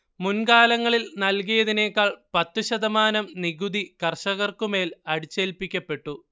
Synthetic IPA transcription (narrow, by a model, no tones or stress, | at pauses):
munkaːlɐŋːɐɭilnɐlk̬ijɐðine̞ːkːaːɭpɐt̪ːuɕɐd̪ɐmaːnɐmniɣud̪ikɐrʂɐɣɐrkume̞ːlɐɽit͡ɕːeːlpːikʲːɐpːe̞ʈːu